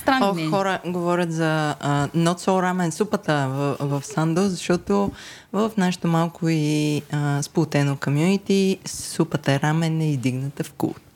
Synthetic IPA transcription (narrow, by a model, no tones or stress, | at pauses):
st̪ɾaɔxɔɾəɡovɔɾʲət̪zɐənɔt̪sɔɾamɛnsupət̪əvvɐfsand̪ozɐʃt̪ɔt̪o | vəfnaʃɛ̥t̪omalˠkoiəsplˠot̪ɛnokomjunit̪isupət̪əɛɾamɛnɛizd̪iɡnət̪əfkṵlt̪